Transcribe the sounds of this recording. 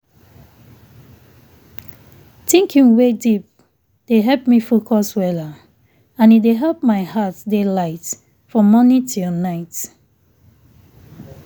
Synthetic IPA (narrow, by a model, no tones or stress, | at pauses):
tĩŋkʰĩŋwedip̚ | d̥eɦɛlp̚mifokʰɔswɛla | ãnideɦɛlp̚maɪhatdelaɪt | fɹɔmɔnitʰilnaɪt